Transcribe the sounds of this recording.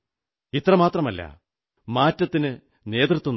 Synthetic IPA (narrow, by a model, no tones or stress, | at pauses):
it̪rɐmaːt̪rɐmɐlːɐ̰ | maːtːɐt̪ːinɨ | ne̞ːt̪rɨt̪ːun